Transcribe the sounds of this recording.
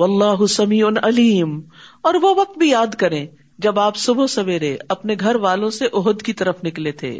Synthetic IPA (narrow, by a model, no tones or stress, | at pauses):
wɐlːaːɦʊsɐmiːʊnɐliːmɔːɾʋoʋɐq̚t̪̚bʱijaːd̪kɐɾẽː | d͡ʒɐbaːpsʊbʱosɐʋeːɾeɐpneɡʱɐɾʋaːlõseʔʊɦʊd̪kit̪ɐɾəfnɪklet̪ʰḛː